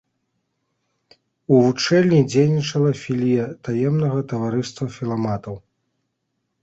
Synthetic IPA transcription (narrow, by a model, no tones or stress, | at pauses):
uvut͡ʂɛlʲnʲid͡zʲejnʲit͡ʂɐlˠɐfʲilʲijɛt̪ajɛmnɐɣɐt̪ɐvaɾɨst̪vɐfʲilˠamat̪ɐw